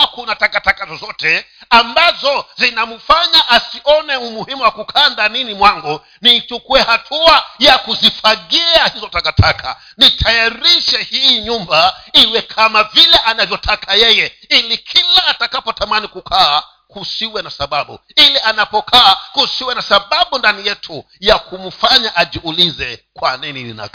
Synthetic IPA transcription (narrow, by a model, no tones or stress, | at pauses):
kunatakatakazɔzɔtɛambazɔzinamufaɲaʔasiɔnɛumuhimuwakukʰaːndaninimwaŋɡɔ | nit͡ʃukuɛhatʰuajakuzifaɠiahizɔtakatʰakʰa̰ | nitʰajaɾiʃɛhiːɲumbaiwɛkʰamavilɛʔanavjɔtʰakʰajɛjɛilikʰilaːtakapɔtamanikukʰaː | kusiwɛnasaɓaɓṵilɛanapɔkʰaːkusiwɛnasaɓaɓundanijɛtʰu | jakum̩faɲaʔaʄiulizɛkwaninilḭna̰k